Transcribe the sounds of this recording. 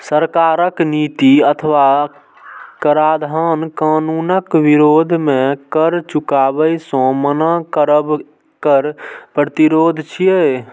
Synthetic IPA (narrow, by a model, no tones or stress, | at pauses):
səɾkaːɾəknit̪iət̪ʰəʋa | kəɾad̪ʱankaːnunəkʋiɾoːd̪ʱmẽkəɾt͡ʃukaːbəjsɔ̃mənakəɾəb | kəɾpɾət̪iɾoːd̪ʱt͡ʃʰije